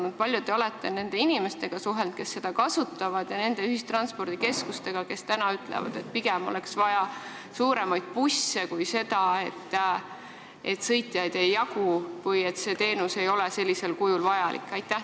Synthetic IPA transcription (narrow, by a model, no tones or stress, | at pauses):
nud̪̥̚pɑlʲjut̪e̞o̞le̞t̪ːˑe̞ne̞nd̪̥e̞inime̞st̪e̞ɡ̥ɑsuɦe̞lt̪̚ke̞sːe̞d̪̥ɑkɑsut̪ːˑɑvɑd̪̥jɑne̞nd̪e̞yɦhist̪rɑnspo̞rd̪̥ike̞skust̪e̞ɡ̥ɑke̞st̪ænɑyt̪ˑlḛvɑ̰d̪̥e̞t̪̚piɡ̥ɛmo̞̰leksvɑjɑ | suːɾe̞mɑjd̪̥̚pusːe̞kujse̞d̪̥ɑe̞t̪ː | ʔe̞̰t̪sɤ̞jt̪ʲːˑijɑjd̪̥e̞jːɑkuvɤje̞t̪se̞t̪e̞ːnuse̞jo̞lese̞lʲːise̞lkujulvɑjɑlḭkːˑɑjt̪ːˑæ